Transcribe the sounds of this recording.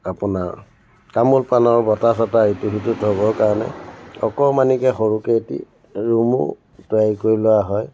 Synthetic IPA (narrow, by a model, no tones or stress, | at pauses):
apunaɹ | kamulpanɔɹbɔtasataituɦitutɦoβɔkaɹɔnɛ̰ɔkɔmanikɛxoɹuketḭ | ɹumṵ | tʊajkoɹilʊwaɦɔj